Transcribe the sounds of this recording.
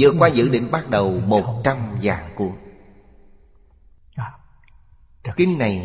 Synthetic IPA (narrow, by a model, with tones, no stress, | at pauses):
zɨ̰˧˨əkwaː˧zɨ̰˧˥ɗḭ˧˨ŋ̟ɓa˦˥t̚ɗə˨˩wmo˨˩t̚t͡ɕa˧mzaː˨˩ŋku˧˩˦ə | kï˧ŋ̟na˨˩j